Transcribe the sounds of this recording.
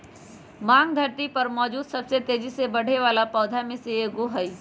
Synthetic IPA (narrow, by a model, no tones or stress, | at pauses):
mãːŋɡd̪ʱɐɾt̪ipɐɾmɔːd͡ʒuːd̪sɐbset̪eːd͡ʒisebɐɽ̤ʱeʋaːlapɔːd̪ʱamẽseeɡoɦəi